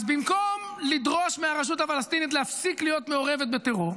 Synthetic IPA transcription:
zbimkomlid̪ʁo̞ʃmeaʁaʃ̬ut̪afalast̪init̪̬lehafsiklijo̞t̪me̞oʁe̞vet̪bet̪eʁuʁ

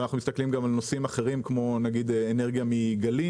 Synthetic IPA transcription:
naχnumist̪aklimɡamalnosimaχe̞ʁimkmo̞naɡid̪eeneʁɡjamiɡali

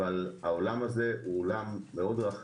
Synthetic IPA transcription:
alaolamaze̞ʔuolamːeo̞d̪ʁaχ

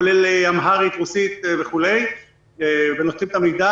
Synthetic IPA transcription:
leleamɦaʁit̪ʁusit̪veχule̞j | evenot̪ʁimt̪amik̚d̪a

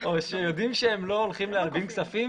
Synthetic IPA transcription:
oʃejodimʃeemlo̞ːlχimlealbimksafim

